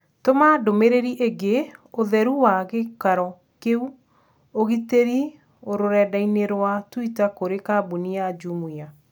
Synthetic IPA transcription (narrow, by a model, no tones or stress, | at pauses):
tomadomeɾeɾiʔeɡeoðɛɾuwaɣekaɾɔ | keu | oɣiteɾi | oɾoɾɛdaineɾwatwitakoɾekabuniad͡ʒumuja